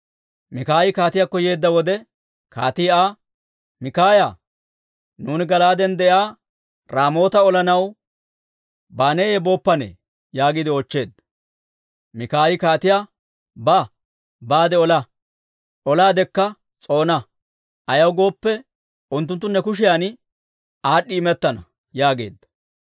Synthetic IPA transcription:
mɪkaːjɪkaːt̪ɪjakːɔjeːd̪ːɐwɔd̪ɛ | kʰa̰ːt̪ɪjaː | mɪkaːjaː | nuːnɪɡɐlaːd̪ɛnd̪ɛjaː | ɾaːmo̞ːt̪ɐɔlɐnɐw | baːneːjɛbo̞ːpːɐnḛː | jaːɡɪd̪ɪoːt͡ʃːe̞ːd̪ | mɪkaːjɪkaːt̪ɪjaː | ba | baːd̪ɛɔlɐ | ʔɔlaːd̪ɛkːɐ | t͡sʼo̞ːnɐ | ʔɐjɐwɡo̞ːpːɛ | ʔʊnt̪̬ːʊnt̪ːʊnːɛkʊʃ̬ɪjaːn | aːɗːɪːmɛt̪ːɐnɐ̰ | jaːɡe̞̰ːd̪ːɐ

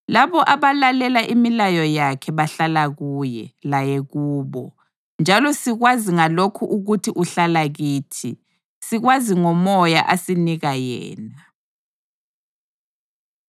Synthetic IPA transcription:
laβɔʔaβalalɛlaʔimilajɔjakʰɛβaɬalaɣuːjɛ̰lajɛɣuːβɔ̰ | nd͡ʒʱalɔsiɣwaziŋalokʰuʔuɣutʰiʔuɬalaɣiːtʰi | siɣwaziŋɔmɔjaʔasiniɣajɛ̰ːna

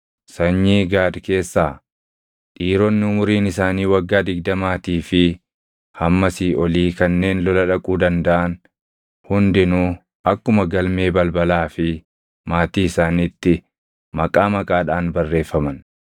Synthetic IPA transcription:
sɐɲːiːɡaːd̪ke̞ːsːaː | ᶑiːɾɔnːɪʊmʊɾiːnɪsaːniːwɐɡːaːd̪ɪɡ̚d̪ɐmaːt̪iːfɪ | hɐmːɐsiɔliːkɐnːe̞ːnlɔlɐᶑɐkʼuːd̪ɐnd̪ɐʔɐn | hʊnd̪ɪnuː | ʔɐkːʊmɐɡɐlme̞ːbɐlbɐlaːfɪ | maːt̪iːɪsaːniːt̪ːɪ | mɐkʼaːmɐkʼaːᶑaːnbɐrːe̞ːfːɐmɐn

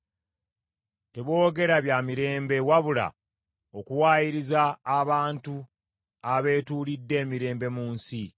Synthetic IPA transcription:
te̞βo̞ːɡe̞ɾaβjamiɾe̞ːmbe̞waβula̰ | o̞kuwaːjiɾizaːβaːntu | aβe̞ːtuːlidːe̞ːmiɾe̞ːmbe̞muːnsi

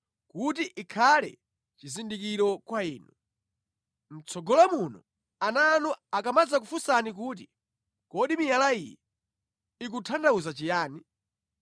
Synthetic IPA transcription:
kutiʔikʰalɛ̰ | t͡ʃizindikiɾɔkwaiːnu | m̩t͡sʰɔɡɔlamunɔ | anaːnuakamad͡zak̬ufusanik̬uːt̬i | kɔɗimijalaḭjɛ̰ | ik̬utʰandauzat͡ʃijaːni

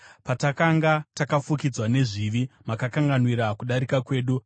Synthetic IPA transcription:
patakaŋɡatakafukid͡zwane̞ʐiʋimakakaŋɡanwiɾakuɗaɾikakwe̞ːɗu

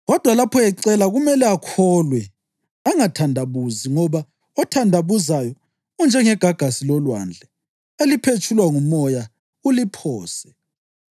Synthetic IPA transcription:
ɣɔd̥ʱwalapʰɔɛǀɛlaɣumɛlɛakʰɔlwɛ | aŋatʰandʱaβuziŋɔβa | ɔtʰandʱaβuzajɔ | und͡ʒʱɛŋɛɡ̥ʱaɡ̥ʱasilɔlwa̰nd͡ɮʱɛ | elipʰet͡ʃʰʼulwaŋumɔja | ulipʰɔːsɛ̥

